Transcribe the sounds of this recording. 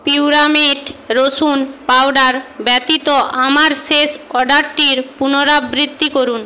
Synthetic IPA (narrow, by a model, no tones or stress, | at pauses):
piuɾamiɖɾosunpawɖaɾbɛt̪it̪oʔamaɾʃeʃɔɖaɾʈiɾpunoɾabɾit̪ːikoɾun